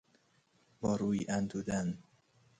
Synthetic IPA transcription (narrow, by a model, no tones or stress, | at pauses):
bɒːɾuːjiʔænd̪uːd̪æn